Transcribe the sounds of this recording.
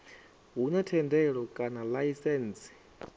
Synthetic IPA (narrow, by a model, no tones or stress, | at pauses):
ɦunatʰɛndɛɺɔkʼanalajisɛːnsi̥